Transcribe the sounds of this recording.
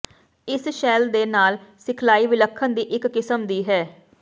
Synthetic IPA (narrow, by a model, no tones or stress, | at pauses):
ɪsʃɛːld̪eːnaːlsɪkʰlaːiːʋɪləkʰːənd̪iːʔɪkːɪsəmd̪iːɦɛː